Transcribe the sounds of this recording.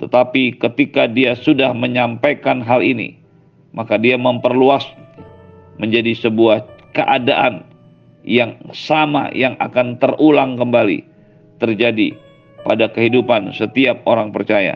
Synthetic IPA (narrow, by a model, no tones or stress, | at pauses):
t̪ət̪apikət̪ikadiasudahməɲampajkanɦalinḭ | makadiaməmpərluas | məɲd͡ʒadisəbuahkəʔadaʔan | jaŋsama̰jaŋa̰kant̪ərulaŋkəmbalḭ | t̪ərd͡ʒadḭ | padakəɦidupansət̪iap̚oɾaŋpərt͡ʃaja̰